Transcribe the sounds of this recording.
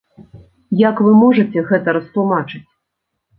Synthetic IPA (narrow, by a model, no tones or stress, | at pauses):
jakvɨmɔʐɐt͡sʲɛɣɛt̪ɐɾɐst̪lˠumat͡ʂɨt͡sʲ